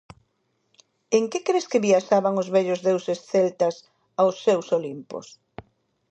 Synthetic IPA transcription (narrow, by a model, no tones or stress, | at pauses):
eŋkekɾeskɪβiaʃaβaŋʊzβɛʎʊzðewsesθɛlt̪ɐs | awsːewsolimpo̰s